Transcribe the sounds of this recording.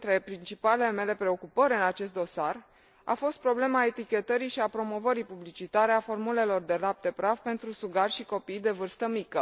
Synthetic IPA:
t̪ɾe̞pɾint͡ʃipaleleme̞le̞pɾe̞o̞kupəɾʲɨnat͡ʃe̞s̬t̪̚d̪o̞sar | a̰fo̞st̪̚pɾo̞ble̞mae̞t̪ikʲe̞t̪əɾiʃiapɾo̞mo̞vəɾipublit͡ʃit̪aɾeafo̞rmule̞lo̞rd̪e̞lap̚t̪e̞pɾavpe̞nt̪ɾusuɡarʲʃiko̞pijd̪e̞vɨrst̪əmikə

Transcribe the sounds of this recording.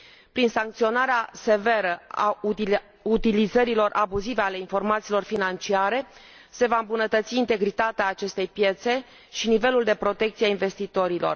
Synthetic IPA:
pɾinsaŋkt̪sio̞naɾease̞ve̞ɾəa | ut̪ilizəɾilo̞rʔabuziveale̞info̞rmat̪siːlo̞rfinant͡ʃiaɾe̞ | se̞vaɨmbunət̪ət̪siːnt̪e̞ɡɾit̪at̪eaːt͡ʃe̞st̪e̞jpje̞t̪se̞ | ʃinive̞luld̪e̞pɾo̞t̪e̞k̚t̪siainve̞st̪it̪o̞ɾilo̞̰r

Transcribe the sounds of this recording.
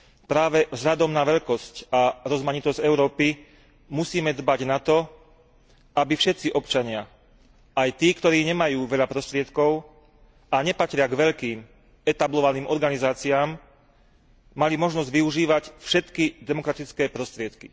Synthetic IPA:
pɾaːʋɛvzɦʎad̪ɔmnaʋɛʎkɔscaɾɔzmaɲit̪ɔzɟɛʊɾɔːpi | musiːmɛd̪baɟnat̪ɔ | abifʃɛt̪t͡siʔɔpt͡ʃaɲɪa | ʔajt̪iːkt̪ɔɾiːɲɛmajuːʋɛʎapɾɔst̪ɾɪɛt̪kɔʊ | aɲɛpat̪ɾɪaɡʋɛʎkiːm | ɛt̪ablɔʋaniːmʔɔɾɡanizaːt͡siaːm | malimɔʒnɔzɟʋiuʒiːʋacfʃɛt̪kid̪ɛmɔkɾat̪it͡skɛːpɾɔst̪ɾɪɛt̪ki

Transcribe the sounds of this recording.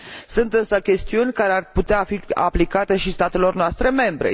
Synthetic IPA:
sunt̪ɨnsəkʲe̞st̪iunʲkaɾearput̪eafia̰plikat̪e̞ʃist̪at̪e̞lo̞rnoast̪ɾe̞me̞mbɾe̞̰

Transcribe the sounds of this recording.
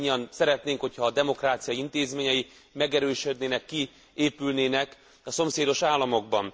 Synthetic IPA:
ɲːɒnsɛɾɛt̪neːŋkhocʰhɒːd̪ɛmo̞kraːt̪sijɒint̪eːzmeːɲɛji | mɛɡɛɾøːʃød̪neːnɛkːi | eːpylneːnɛk | ɒso̞mseːd̪o̞ʃaːlːɒmo̞ɡ̚bɒn

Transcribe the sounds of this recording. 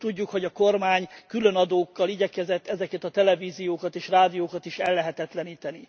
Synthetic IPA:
t̪uɟːukho̞ɟɒko̞rmaːɲkylønɒd̪oːkːɒliɟɛkɛzɛt̪ːɛzɛkɛt̪ɒt̪ɛlɛviːzijoːkɒt̪eːʃraːd̪ijoːkɒt̪iʃɛlːɛɦɛt̪ɛt̪lɛniːt̪ɛni

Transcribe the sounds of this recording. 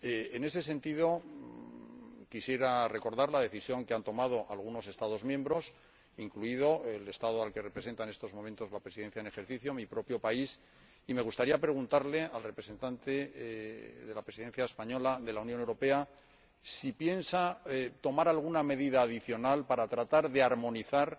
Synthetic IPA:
eene̞se̞se̞nt̪iðo̞ | kisje̞ɾare̞ko̞ɾðaɾlaðe̞θisjo̞ŋkeant̪o̞mað̞o̞ʔalɣ̞uno̞se̞st̪aðo̞zmjẽ̞mbɾo̞s | iŋkluiðo̞ele̞st̪aðoalke̞repɾe̞s̬e̞nt̪aene̞st̪o̞zmomẽnt̪o̞zlapɾesiðe̞n̟θjaene̞xe̞ɾθiθjo̞mipɾo̞pjo̞pais | ime̞ɣust̪aɾiapɾe̞ɣ̞unt̪aɾle̞alrepɾe̞se̞nt̪ant̪e | ðe̞lapɾesiðenθjaespaɲo̞laðe̞launjonewɾo̞pe̞a | sipje̞nsat̪o̞maɾalɣ̞uname̞ðiðaːðiθjo̞nalpaɾat̪ɾat̪aɾðe̞aɾmo̞niθaɾ

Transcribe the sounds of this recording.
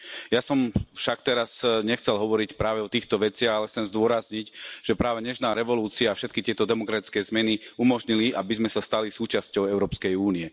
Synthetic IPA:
jasɔmfʃakt̪ɛɾasɲɛxt͡sɛlɦɔʋɔɾicpɾaːʋɛɔt̪iːxt̪ɔʋɛt͡sɪaɣalɛxt͡sɛmzd̪ʊɔɾazɲicʒ̥ɛpɾaːʋɛɲɛʃnaːɾɛʋɔluːt͡siaːfʃɛt̪kit̪ɪɛt̪ɔd̪ɛmɔkɾat̪i̥t͡skɛːzmɛniumɔʒɲiliabizmɛsast̪alisuːt͡ʃascɔʊɛʊɾɔːpskɛjuːniɛ

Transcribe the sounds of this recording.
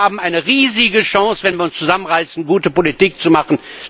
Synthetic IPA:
aːbm̩ʔaɪnəʁiːzɪɡəʃɑ̃ŋsvɛnviːɐʊnst͡suzamənʁaɪsn̩ɡuːtəpolitiːk̚t͡sumaχn̩

